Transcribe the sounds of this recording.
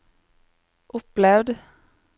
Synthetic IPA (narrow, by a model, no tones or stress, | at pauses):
ʔʊplɛvd̪